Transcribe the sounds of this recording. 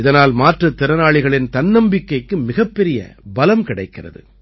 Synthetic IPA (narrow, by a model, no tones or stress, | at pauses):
ɪðɐnaːlmaːʈrɐt̪ːɪɾɐnaːɭɪɣɐɭɪnt̪ɐnnɐmbɪkːɐɪkːɯmɪɣɐpːɛɾɪjɐ̰bɐlɐmkɪɽɐɪkːɪrɐ̰ðɯ̰